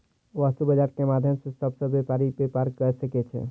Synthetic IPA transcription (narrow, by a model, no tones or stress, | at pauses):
ʋaːst̪ubəd͡ʒaːɾkemaːd̪ʱjəmsesəbsebepaːɾipepaːɾkːəɾsəket͡ʃʰḛ